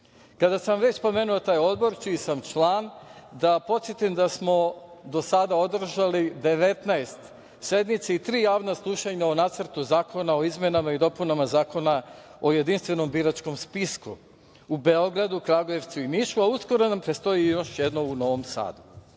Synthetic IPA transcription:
kad̪asamʋe̞t͡ɕspo̞me̞ːnuot̪aːjo̞d̪bo̞ɾt͡ʃiːsamt͡ʃlˠaːnd̪apo̞t̪sjet̪imd̪asmo̞d̪o̞sad̪ao̞d̪r̩ʒalid̪e̞ʋe̞t̪naest̪ | se̞d̪mit̪seit̪ɾiːjaːʋnaslˠuʃaɲaonat̪səɾt̪uzaːkʰo̞nao̞izmʲje̞namaid̪o̞punamazaːko̞nao̞je̞d̪inst̪ʋe̞no̞mbiɾat͡ʃko̞mspisku | ubeo̞ɡɾad̪ukɾaɡoje̞ʋt̪suiniʃuausko̞ɾo̞nampɾest̪o̞ijo̞ʃjed̪no̞uno̞ʋomsa̰ːd̪u

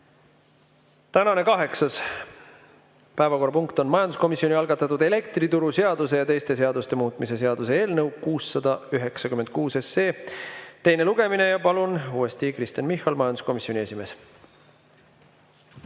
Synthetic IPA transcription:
t̪ænɑne̞kɑɦe̞ksɑs | pæevɑko̞rːɑpuŋkt̪o̞nmɑjɑnd̪usko̞misːioniɑlɡ̥ɑt̪ːˑɑt̪ːˑud̪e̞le̞kt̪rit̪uɾuse̞ɑd̪use̞jɑt̪e̞jst̪e̞s̬e̞ɑd̪ust̪e̞muːt̪ˑmise̞s̬e̞ɑd̪use̞e̞ːlnɤwkuːsːɑd̪̥ɑyɦe̞ksɑkymend̪̚kuːse̞seːt̪e̞jne̞luɡ̥e̞mine̞jɑpɑlunuːest̪ikrist̪ɑnmihˑɑlmɑjɑnd̪u̥sko̞misionʲie̞sʲime̞ːs

